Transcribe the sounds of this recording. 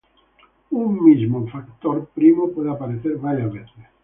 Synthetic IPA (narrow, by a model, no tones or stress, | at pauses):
umːizmofakt̪oɾpɾimopɔðeapaɾeθeɾβaɾjaβeθe